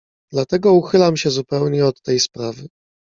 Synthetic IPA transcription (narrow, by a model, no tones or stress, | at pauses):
d̪lat̪ɛɡɔuxɘlamɕɛzupɛwɲɛɔt̪ːɛjspɾavɘ